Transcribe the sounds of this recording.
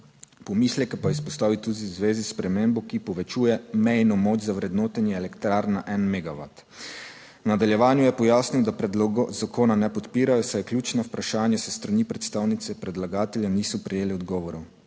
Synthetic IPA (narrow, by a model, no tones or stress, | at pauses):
pɔmislɛkɛpaispɔst̪aːʋit̪ud̪iwzʋeːzispɾɛmembɔkipɔʋɛt͡ʃuːjɛmɛjnɔmoːt͡ʃzawɾɛd̪noːt̪ɛnjɛːlɛkt̪ɾaɾnaʔɛnmɛɡaʋa̰t̪ | wnad̪aljɛʋaːnjujɛpɔjaːsniwd̪apɾɛd̪loːɡɔzakʰoːnanɛpɔt̪piːɾajɔsajɛklʲjuːt͡ʃnawpɾaʃaːnjasɛst̪ɾanipɾɛt̪st̪awnit̪sɛpɾɛd̪laɡaːt̪ɛljaniːsɔpɾɛjeːlɛɔd̪ɡɔːʋɔɾɔ